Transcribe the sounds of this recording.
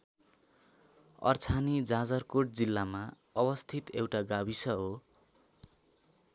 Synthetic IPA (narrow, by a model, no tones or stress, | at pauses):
ʌ̰rt͡sʰanid͡zad͡zʌrkoʈ̚d͡zilːama | ʌbʌst̪ʰit̪ewʈaɡabisʌɦo